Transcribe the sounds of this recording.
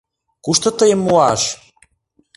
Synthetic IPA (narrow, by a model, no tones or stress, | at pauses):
kuʃt̪ɤ̆t̪əjəmːuɑʃ